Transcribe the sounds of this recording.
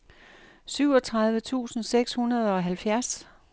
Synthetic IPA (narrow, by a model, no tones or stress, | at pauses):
syʊ̰ɒ̽t͡sʰʁɑ̈ð̞ˠʋət͡sʰṵːsn̩seɡ̥shunɐð̞ˠɒ̽ɦælfjæɐs